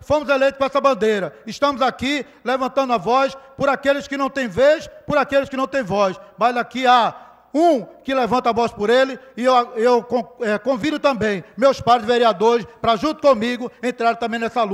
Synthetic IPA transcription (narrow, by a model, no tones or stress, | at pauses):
fõmʊzelejt̪ʊ̥kõɛsɐbɐ̃nd̪ejɾɐɪʃt̪ɐ̃mʊzaki | levɐ̃nt̪ɐ̃nd̪ʊɐvɔspʊɾakelɪskɪnɐ̃w̃t̪ẽj̃veʃpʊɾakelɪskɪnɐ̃w̃t̪ẽj̃vɔsmɐzakia | ũkɪlevɐ̃nt̪ɐavɔspʊɾelɪɪewaewkõɛkõvid̪ʊt̪ɐ̃mbẽj̃mewspaɾzveɾiad̪oɾɪspɾɐʒũnt̪ʊ̥kõmiɡʊẽt̪ɾaɾẽt̪ɐ̃bẽj̃nɛsalu